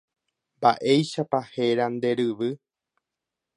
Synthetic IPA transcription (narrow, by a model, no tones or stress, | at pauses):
mbaʔe̞jʃapahe̞ɾand̪e̞ɾɨʋɨ